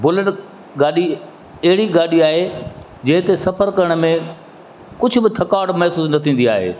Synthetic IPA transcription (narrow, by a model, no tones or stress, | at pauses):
bʊləʈ | ɡaːɗi | ɐɦɪɽiɡaːɗiaːɦe | d͡ʑɐ̃ɦɪ̃t̪esɐpəɾkɐɾəɽ̃mẽ | kʊd͡ʑʱʊ̆bɪt̪ʰɐkaːɽmɐɦsuːsnɐt̪ʰĩːn̆d̪iaːɦḛː